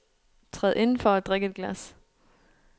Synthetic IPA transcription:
t͡sʰʁɛðˠʔe̝nn̩fɒæd̥ʁɛɡ̥əe̝d̥ɡ̥læs

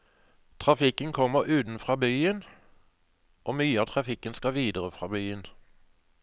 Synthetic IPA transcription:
t̪ʰʁɑfɪkənkʰɔməʁʉːt̪n̩fʁɑːbyːən | ʔoːmyːəɑːt̪ʰʁɑfɪkənskɑʋiːd̪əʁəfʁɑ̰ːbyːən

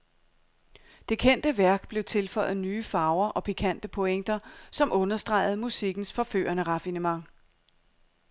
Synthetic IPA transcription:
d̥e̝kʰen̰d̥əʋæɐɡ̥b̥le̝ʊt͡sʰe̝lfɒ̽ɪ̰ð̩ˠnyːfɑ̈ʊɐʔɒ̽pʰikʰæn̰d̥əpʰo̽eŋ̰d̥ɐsɒ̽mʔɔ̽nɐsd̥ʁɑ̈ɪð̞̩ˠmusiɡ̥n̩sfɒ̽fø̰ːɐnəʁɑ̈finəmɑ̈ŋ

